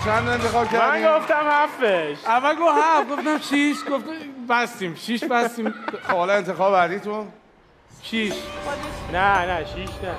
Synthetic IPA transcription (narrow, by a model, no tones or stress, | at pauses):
t͡ʃʰænd̪ent̪ʰexɒːb̥̚cʰæɾmdænɡoft̪æmhæfeʃævːælɡohæfɡoft̪æmʃʰiʃɡoft̪bæst̪imʃiʃbæst̪ĩmxoːleent̪ʰexɒːbebæɾd̪iːt̪ũn | ʃiʃ | nænæʃiʃnæ